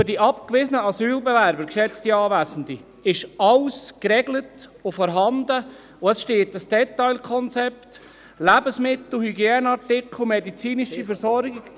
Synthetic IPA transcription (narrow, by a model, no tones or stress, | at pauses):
fʏɾdiʔɑpkʋɪsənəɑsyːlbɛvæɾbəɾkʃɛt͡stiɑːʋæːsən̩di | ɪʃɑlskɾɛɡlətʊfɔːɾɦɑnd̪ə | ʊəsʃteːtəsd̥ɛt̪ːɑɪlkʰɔnt͡sɛpt | læbəsmɪt̪l̩hyɡjɛːnəɑɾtɪkʊmɛdit͡siːniʃifəɾsɔɾɡiɡ